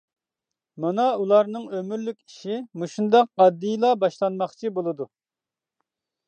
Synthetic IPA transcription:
mɑnɑulˠɑɾnɨŋømyɾlykʲi̥ʃimuʃund̪ɑqːɑd̪ːɨjlˠɑbɑʃlˠɑnmɑχt͡ʃʰibolˠɨd̪u

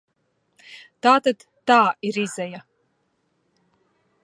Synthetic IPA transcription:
t̪aːt̪ad̪ːaːiɾizɛja

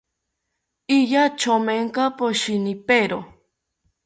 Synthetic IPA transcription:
ijat͡ʃomeŋkapoʃinipeɾo

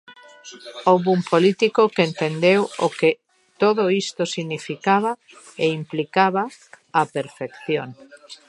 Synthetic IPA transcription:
owβumpolit̪ikokent̪end̪ewoke | t̪oðoist̪osiɣnifikaβa | eimplikaβa | apeɾfekθjoŋ

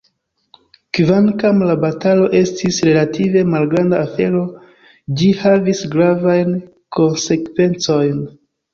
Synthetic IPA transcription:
kvankamlabatalo̞ʔe̞stisɾe̞latʰive̞malɡɾandaːfe̞ɾo̞ | d͡ʒihavisɡɾavajn | kʰo̞nse̞kve̞nt͡so̞jn

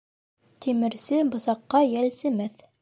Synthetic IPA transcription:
t̪imɘ̆ɾsɘbɤ̆sɑqːɑjælsɘ̆mæθ

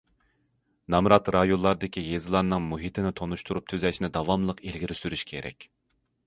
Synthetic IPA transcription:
nɑmɾɑt̪ɾɑjolˠːɑɾd̪ɪkʲijezɨlˠɑɾnɨŋmuɦit̪ʰɪnɪt̪ʰonuʃt̪uɾup̚t̪ʰyzɛʃnɪd̪ɑwɑmlˠəqelɡʲiɾysyɾyʃkʲʰeɾɛ̰kʲ

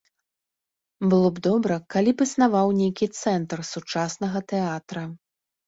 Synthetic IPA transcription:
bɨlˠɔbd̪ɔbɾɐkalʲipɨsnavawnʲejkʲit̪sɛnt̪rsut͡ʂasnɐɣɐt̪ɛat̪ɾɐ

